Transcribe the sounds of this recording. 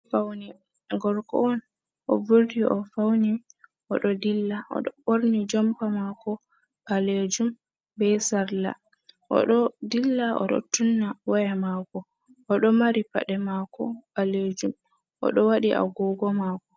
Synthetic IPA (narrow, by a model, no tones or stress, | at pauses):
fawni | ɡɔɾkɔ̰ɔn | ʔɔ̰vuɾdiʔɔfawniʔɔɗɔdilːaɔ̰ɗɔɓoɾnid͡ʒɔmpamakɔ | ɓaled͡ʒum | bɛsaɾla̰ | ʔɔ̰ɗɔdilːaʔɔ̰ɗɔ̰tunːawajamakɔ | ʔɔɗɔmaɾipa̰ɗɛmakɔbaled͡ʒum | ʔɔ̰ɗɔwaɗiʔa̰ɡɔɡɔmaːkɔ